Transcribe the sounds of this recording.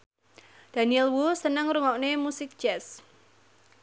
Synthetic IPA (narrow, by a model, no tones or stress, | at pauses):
d̥aniɛlwusənəŋɾuŋɔwʔnemusɪk̚d͡ʒ̥ɛs